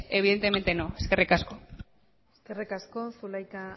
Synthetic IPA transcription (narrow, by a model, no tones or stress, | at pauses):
e̞β̞iðe̞nt̪e̞me̞nt̪e̞noeske̞rikasko̞ | eskerikaskosulajka